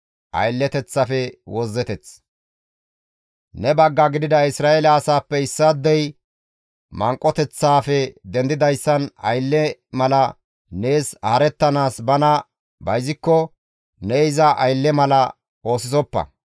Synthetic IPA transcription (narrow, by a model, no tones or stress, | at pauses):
ʔɐ̰jlːɛt̪ɛt͡sːɐfɛwɔzːɛt̪ɛt͡s | nɛbɐɡːɐɡɪd̪ɪd̪ɐɪsɾaːʔelɐːsaːpːɛɪsːɐd̪ːɛj | mɐŋkʼːɔt̪ɛt͡sːaːfɛd̪ɛnd̪ɪd̪ɐjsːɐnɐ̰jlːɛmɐlɐ | ne̞ːshɐɾɛt̪ːɐnaːsbɐnɐ | bɐjzɪkːɔ | nɛɪzɐʔɐjlːɛmɐlɐ | o̞ːsɪsɔpːɐ̰